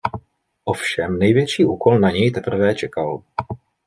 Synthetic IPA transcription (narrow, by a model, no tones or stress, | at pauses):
ʔofʃɛmnɛjvjɛt͡ʃiːʔuːko̞lnaɲɛjt̪ɛpr̩vɛːt͡ʃɛkal